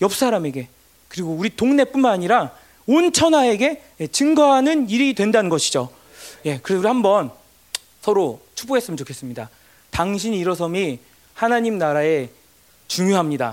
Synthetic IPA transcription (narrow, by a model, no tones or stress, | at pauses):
jʌp̚s͈aɾame̞ɡe̞ | kɯɾiɡouɾitoŋne̞p͈unmanaɲiɾa | ont͡ɕʰʌnɦae̞ɡe̞je̞t͡ɕɯŋɡʌɦanɯniɾidwe̞ndanɯnɡʌɕʰid͡ʑo | je̞kɯɾesuɾihambʌn | sʰʌɾot͡ɕʰu̥p͈oɡe̞s͈ɯmʌnt͡ɕokʰes͈ɯmɲida | taŋɕʰiɲiɾʌs̬ʰʌmi | hanaɲimnaɾae̞ | t͡ɕuŋjoɦamɲida̰